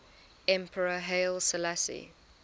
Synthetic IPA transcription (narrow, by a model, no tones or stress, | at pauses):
ɛ̃mpʰəɹəɦeɪlˠsəlasḭ